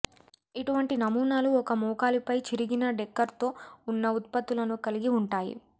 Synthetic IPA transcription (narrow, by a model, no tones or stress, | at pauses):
iʈuʋɐɳʈinɐmuːnaːluɔkɐmuːkaːlipɐjt͡ʃiɾiɡinɐɖɛkːɐɾt̪o̞ːunːɐut̪̚pɐt̪ːulɐnukɐliɡiuɳʈaːjḭ